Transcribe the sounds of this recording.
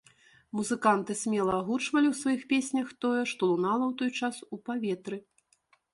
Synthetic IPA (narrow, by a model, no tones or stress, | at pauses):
muzɨkant̪ɨsʲmʲɛlˠɐaɣut͡ʂvɐlʲiwsvajixpʲesʲnʲɐxt̪ɔjɛʂt̪ɔlˠunalˠɐwt̪ɔjt͡ʂasupavʲɛt̪ɾɨ